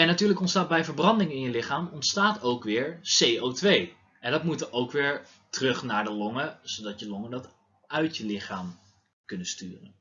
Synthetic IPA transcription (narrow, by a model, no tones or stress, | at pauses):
ɛnatyːɹləkɔntstaːt̚bɛjvəɹbrɑndɪŋɪnjəlɪχaːmɔntstaːtowkʋɪːɹsejowtʋej | ɛndɑtmutəʔowkʋɪːɹ | tərɵχnaːɹdəlɔŋəz̥odɑtjəlɔŋəndɑt | œɥtjəlɪχaːm | kɵnəstyːrən